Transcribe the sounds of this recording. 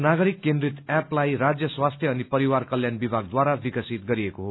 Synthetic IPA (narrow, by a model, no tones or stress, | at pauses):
naɡʌɾikːẽnd̪ɾit̪aplajɾad͡zjʌswast̪ʰjʌːnipʌɾiwarkʌljanbibʱaɡd̪waɾabikʌsit̪ɡʌɾiekoɦo